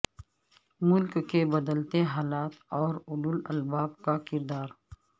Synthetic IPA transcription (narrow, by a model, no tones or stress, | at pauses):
mʊlkkebɐd̪əlt̪eɦaːlaːt̪ɔːɾʊlulɐ̰lbaːb̚kakɪɾd̪aːɾ